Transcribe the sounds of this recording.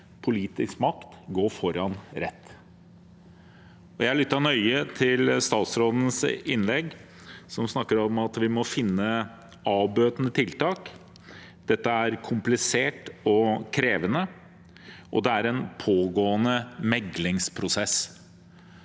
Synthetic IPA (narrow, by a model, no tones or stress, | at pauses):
pʰʊliːt̪ɪskmɑkt̪ɡoːɾfɔɾɑnɾɛt̪ː | ɔjæɪɭʏt̪ːɑnœʏət̪ʰɪlst̪ɑːt̪sɾoːd̪ən̩sɪnlɛɡ | sɔmsnɑkːəɾɔmɑt̪ʋɪmɔfɪnːə | ɑːbøːt̪nət̪ʰɪlt̪ɑːk | d̪̥ɛt̪ːəæɾkʰʊmplɪseːʈɔkʰɾeːʋənə | ʔɔ̰d̪ɛæɾɛnpʰoːɡoːənəmɛɡlɪŋspʰɾʊsɛs